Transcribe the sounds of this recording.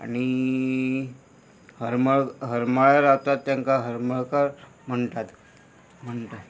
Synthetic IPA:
a̰ɽ̃i | həɾməɭɦəɾməɭəɾaʋt̪at̪ːjaŋkaɦəɾməɭkaɾ | m̤əɳʈ̪at̪ | m̤əɳt̪at̪

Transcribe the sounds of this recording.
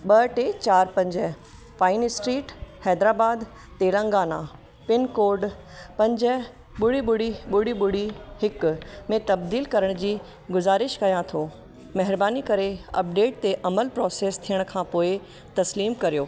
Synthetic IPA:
ɓɐʈet͡ɕaːɾpɐ̃ɲd͡ʑəɦ | paːɪnɪsʈɾiːʈhɛːd̪ɾaːbaːd̪ | t̪eːlə̃ŋɡaːna | pɪnkoːɾɖ | pɐ̃ɲd͡ʑə | ɓʊɽiɓʊɽiɓʊɽiɓʊɽ̤ihɪkmẽt̪ɐb̚d̪iːlkɐɾəɽ̃d͡ʑiː | ɡʊzaːɾɪʃkɐjãt̪ʰoː | mɐɦɪɾbaːnikɐɾeɐp̚ɖeːʈ̚t̪eʔɐməlpɾɔːseːst̪ʰijəɽ̃kʰãːpoːɪ | t̪ɐsliːmkɐɾijoː

